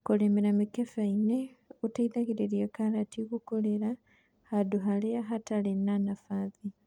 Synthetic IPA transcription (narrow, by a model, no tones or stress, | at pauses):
koleːmeɾamikefaineutaiðaɣiɾeɾjekalatiɣukoleɾa | haduɦaleaɦatalenanafaði